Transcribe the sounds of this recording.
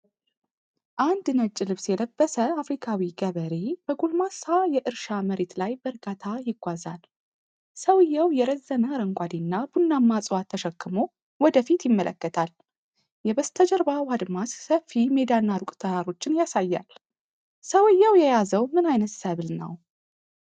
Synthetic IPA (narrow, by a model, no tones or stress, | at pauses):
ʔand̪nət͡ʃʼːɪlɨβsjɛd̪əbːəsəafɾikʰawiɡəβəɾeb̥əɡolmasajɛʔɨɾʃaməɾet̪lajbəɾɡat̪ʰajɪɡʷazal | səwɨjːawjɛɾəzːənəɾəŋkʷʼad̪inːab̥unːamːasʼwat̪ʰːəʃəkːɨmo | wɔd̪əfit̪jɪmːəlʔə̰kːət̪ʰal | jɛbəst̪ʰəd͡ʒəɾbawad̪massəfime̞d̪anːaɾukʼt̪ʰəɾaɾo̞t͡ʃːɪnjasajːa̰l | səwɨjːawjɛjazəwmɨnajnət̪səβlnə̰w